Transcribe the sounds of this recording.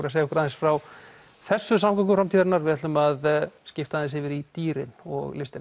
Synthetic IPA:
ɾasejaɛhkɾaðɛnsfɾaw | θɛsːʏs̬amkaŋkʏfɾamt̪iːðaɾnaɾvɪðat̪ʏmaðscɪft̪asɪvɪɾit̪iːɾɪ̰nɔ̰ɣlɪfst̪ɪ

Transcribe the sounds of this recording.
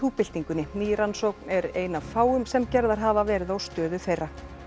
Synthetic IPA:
uːpɪl̥t̪iŋkʏnːɪniːɾansoknɛɾeːjnavfaːwʏmsɛmcɛɾðaɾ̥ɦaːvavɛːɾɪðawst̪œːðʏθejrːa

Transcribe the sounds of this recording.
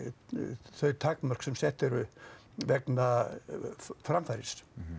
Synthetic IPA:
θœɥt̪ʰakmœr̥ksɛmsɛht̪ɛɾʏ | vɛkna | fɾamfajɾɪs

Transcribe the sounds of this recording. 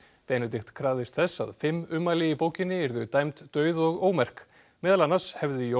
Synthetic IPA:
pɛːjnʏt̪ɪxt̪kʰɾaːðɪst̪θɛsːa̰ðfɪmːʏmːalɪɪpoːwcɪnːɪɛɾðʏt̪ajmt̪t̪œːɥðɔɣoːwmɛr̥k | mɛːðalanḁshɛvðɪjo

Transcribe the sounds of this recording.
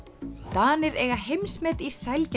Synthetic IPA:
t̪aːnɪɾɛɣaɦejmsmɛt̪isajlc

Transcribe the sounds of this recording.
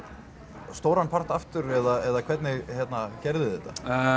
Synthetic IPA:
st̪oːwɾanpʰar̥t̪aft̪ʏɾɛðaɛðakʰv̥ɛt̪nɪɣçjɛt̪nacɛɾðɪðɛht̪a

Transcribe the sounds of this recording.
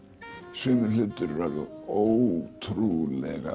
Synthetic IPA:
sɪːnɪɾlɪt̪ːʏɾːaðʏowt̪ʰɾulɛ̰ɣa̰

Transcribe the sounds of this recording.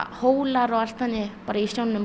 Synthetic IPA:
howlaɾɔɣal̥t̪ːanːɪpaɾaisawnnʏm

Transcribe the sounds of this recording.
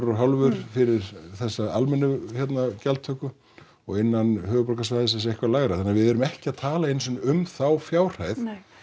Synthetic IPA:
ɾɔɦawlvʏɾ̥fɪɾɪɾθɛsːaalmɛnːʏçjɛt̪nacalt̪ʰœkʏ | ɔɣɪnːanɦœːɣʏpɔlkas̬vaːjðɪsɛns̬ɛhkvaɾlaːɣɾaθanːaɾvɪðɛɾʏmɛhcɪaðt̪ʰaːlaejnsʏnʏmθawfjaːwr̥haːjθ

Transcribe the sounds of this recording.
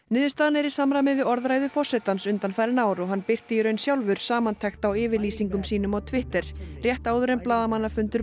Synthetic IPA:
nʏːðʏst̪aːðanɛɾɪ̥samɾamɪvɪðɔɾðɾajðʏfɔr̥sɛt̪ansʏnt̪anfajɾɪnaːwɾɔɣɦanːpɪr̥t̪ɪiɾœɥnsjawlvʏɾ̥saːmant̪ʰɛxt̪awɪːvɪɾliːsiŋkʏmsiːnʏmawt̪ʰvɪht̪ɛɾ̥rjɛht̪aːwðʏɾemplaːðamanːafʏnt̪ʏɾ

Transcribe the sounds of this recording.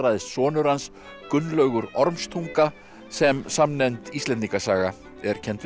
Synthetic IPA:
ɾaðɪssɔːnʏɾans | kʏnːlœɥɣʏɾɔɾmst̪ʰuŋka | sɛmsamnɛnt̪ist̪lɛnt̪iŋkasaːɣa | ɛɾ̥cʰɛnt̪

